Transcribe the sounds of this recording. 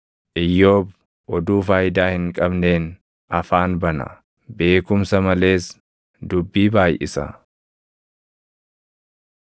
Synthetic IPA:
ʔɪjːo̞ːb | ʔɔd̪uːfaːjɪd̪aːhɪŋkʼɐbne̞ːn | ɐfaːnbɐnɐ̰ | be̞ːkʊmsɐmɐle̞ːs | d̪ʊbːiːbaːjʔɪsɐ̰

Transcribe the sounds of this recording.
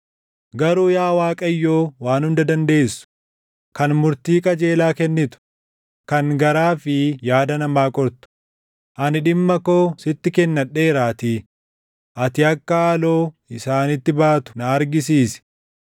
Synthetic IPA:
ɡɐɾuːjaːwaːkʼɐjːo̞ːwaːnhʊnd̪ɐd̪ɐnd̪e̞ːsʊ̥ | kɐnmʊɾt̪iːkʼɐd͡ʒe̞ːlaːkɛnːɪt̪ʊ̥ | kɐŋɡɐɾaːfɪjaːd̪ɐnɐmaːkʼɔɾt̪ʊ̥ | ʔɐnɪᶑɪmːɐko̞ːsɪt̪ːɪkɛnːɐᶑe̞ːɾaːt̪i | ʔɐt̪ɪɐkːɐaːlo̞ː | ɪsaːnɪt̪ːɪbaːt̪ʊ̥nɐːɾɡɪs̬iːsɪ̥

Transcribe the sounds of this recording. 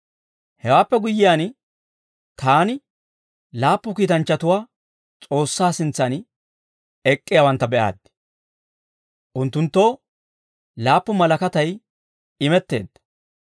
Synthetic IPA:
hɛwaːpːɛɡʊjːɪjaːn | t̪ʰaːnɪ | laːpːʊkiːt̪ɐnt͡ʃːɐt̪ʊwaː | t͡sʼo̞ːsːaːsɪnt͡sːɐn | ɛkʼːɪjawɐnt̪ːɐbɛʔa̰ːd̪ | ʔʊnt̪ːʊnt̪ːo̞ː | laːpːʊmɐlɐkɐt̪ɐj | ɪmɛt̪ːe̞̰ːd̪ːɐ̥

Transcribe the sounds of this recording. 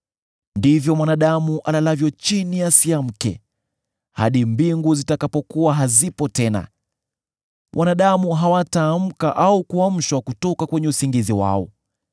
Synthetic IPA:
ndivjɔmwanaɗamuʔalalavjɔt͡ʃinijasiam̩kɛ̰ | ha̰ɗimbiŋɡuzitakapɔkuwaɦazipɔtɛna̰ | wʔanaɗamuɦawataːm̩kaʔaukuam̩ʃwakutɔkakwɛɲɛusiŋɡiziwa̰ɔ̰

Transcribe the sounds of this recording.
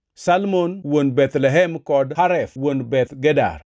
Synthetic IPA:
salmonwonbɛt̪lɛɦɛmkɔdhaɾɛfwonbɛt̪ɡɛda̰r

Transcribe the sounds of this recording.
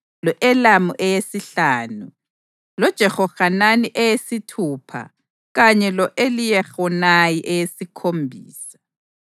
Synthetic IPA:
lɔʔɛlamuʔɛjesiɬaːnu | lɔd̥ʒ̥ʱɛxɔɣananiʔɛjesitʰuːpʰa̰ | ɣaɲɛlɔʔelijɛxɔnajiʔɛjesikʰombʱiːsḁ

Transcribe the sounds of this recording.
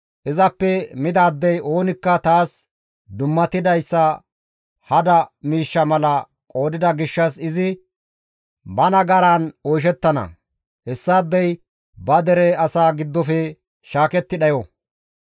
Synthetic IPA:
ʔɪzɐpːɛmɪd̪aːd̪ːɛjʔo̞ːnɪkːɐt̪aːs | d̪ʊmːɐt̪ɪd̪ɐjsːɐ | hɐd̪ɐmiːʃːɐmɐlɐ | kʼo̞ːd̪ɪd̪ɐɡɪʃːɐsɪzɪ | bɐnɐɡɐɾanɔjʃ̬ɛt̪ːɐnɐ̰ | hɛsːaːd̪ːɛj | bɐd̪ɛɾɛɐsaːɡɪd̪ːɔfɛ | ʃaːkɛt̪ːɪɗɐjɔ

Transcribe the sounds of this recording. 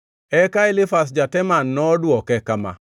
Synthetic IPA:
ɛkaelɪfas̬d͡ʒatɛmanːɔdwɔkɛkama̰

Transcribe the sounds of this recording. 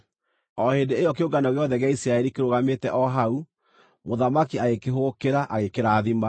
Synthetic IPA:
ɔhendeejɔkeoɡanɔɣeɔðɛɣeaisɾaɛɾikeɾoɣametɛʔɔɦau | moðamakiaɣekeɦokeɾaʔaɣekeɾaːðima

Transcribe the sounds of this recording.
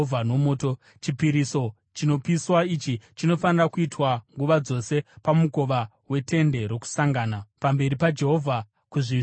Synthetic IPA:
vʱano̞mo̞ːto̞ | t͡ʃipiɾiso̞ | t͡ʃino̞piswait͡ʃit͡ʃino̞fanirakuitwaŋɡuʋad͡zo̞se̞pamuko̞ʋa | we̞te̞nde̞ɾo̞ku̥saŋɡaːnapambe̞ɾipad͡ʒe̞ɦo̞vʱa | kuʐi

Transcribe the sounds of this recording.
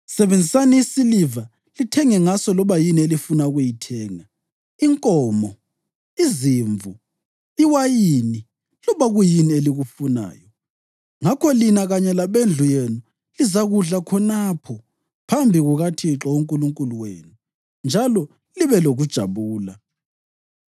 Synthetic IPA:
sɛβend͡zʱisaniːsiliva | litʰɛŋɛŋasɔlɔβajinielifunauɣujitʰɛːŋa | iŋkʼɔːmɔ | iziːɱvʱu | iwajini | lɔβaɣujinieliɣufuna̰ːjɔ | ŋakʰɔlinaɣaɲɛlaβend͡ɮʱujenu | lizaɣuɮakʰɔnapʰɔ | pʰambʱiɣuɣatʰiǁɔuŋkʼuluŋkʼuluwḛːnu | nd͡ʒʱalɔ | liβɛloɣud̥ʒ̥ʱa̰βuːla̰

